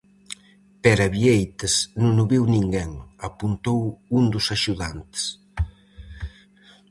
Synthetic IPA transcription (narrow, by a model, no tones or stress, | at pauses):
pɛɾɐβiejt̪ɐsnũŋʊβiwniŋɡɛŋɐpunt̪owund̪ʊsaʃuðant̪e̥s